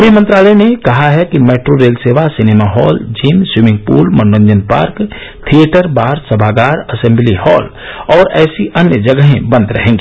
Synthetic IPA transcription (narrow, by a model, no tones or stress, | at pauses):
ʊbjəmə̃nt̪ɾaːlənekɐɦaɦɛkimɛːʈɾoɾeːlseːʋasɪneːmaɦɔːld͡ʒiːmswɪmɪ̃ŋɡ̚pṵːlmɐnːə̃ɲd͡ʒənpa̰ːɾk | t̪ʰieʈəɾbaːɾsəbʱaːɡaːɾɐsɛ̃mblihɔːl | ɔːɾɛːsiʔɐnjəd͡ʒɐɡəɦẽbɐ̃nd̪ɾɐɦẽːŋɡeː